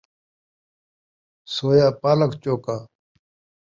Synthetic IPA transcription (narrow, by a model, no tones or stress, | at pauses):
soːjaːpaːlɐkt͡ɕoːkaː